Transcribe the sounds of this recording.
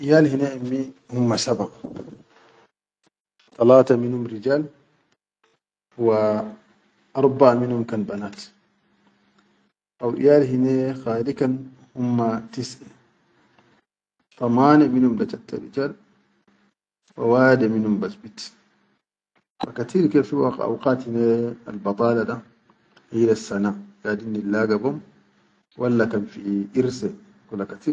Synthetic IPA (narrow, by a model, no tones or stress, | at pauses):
ʔijaːlhinɛʔamːihumːasabaq | t̪ˤɑlaːtaminhumɾid͡ʒaːl | huwa | ʔɑɾˤbaʔminhumkanbanaːt | ʔawʔḭjaːlɦinɛxaːlikan | humːatisʔa | t̪ˤɑmaːnɛminhumdat͡ʃatːa̰ɾḭt͡ʃal | wawaːdɛminhumbasbit | fakat̪iɾkɛfiwaka̰wqaːthinɛa̰lbɑt̪ˤɑːlaɗa | hilasːanaɡadinːilːaːɡabɔm | walːakamfiʔiɾsɛ | kulakati